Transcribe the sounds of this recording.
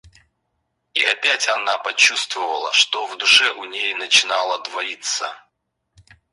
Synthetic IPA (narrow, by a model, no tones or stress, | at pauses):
iʔɐpʲætʲɐnapɐt͡ɕust̪vəvəlˠəʂt̪ovd̪ʊʂɛʔʊnʲejnət͡ɕɪnalˠəd̪vɐit̪sə